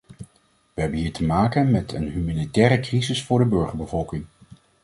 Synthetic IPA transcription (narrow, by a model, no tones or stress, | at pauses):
ʋəɦɛbənɦiːɹtəmaːkənmɛtʰə̰nɦymanitɛːɾəkrizɪsfʊːɹdəbɵɹχəɹbəvɔlˠkɪŋ